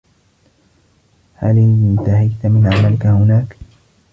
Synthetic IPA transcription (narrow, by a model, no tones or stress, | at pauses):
halɪnt̪ahajt̪amɪnʕamalkahʊnaːk